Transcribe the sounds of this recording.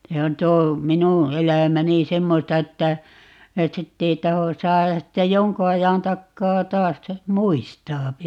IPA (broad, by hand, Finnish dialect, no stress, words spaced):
se on tuo minu elæˑmæni semːostɑ etːæ et sitː ei tɑho sɑːjɑs sitːe joŋku ɑjɑn tɑkːɑː tɑːs ste muistɑːpi